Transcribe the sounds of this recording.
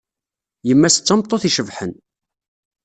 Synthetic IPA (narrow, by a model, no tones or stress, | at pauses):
jəmːæsə̥t͡sːɑmt̪ˤːoθiʃəvħən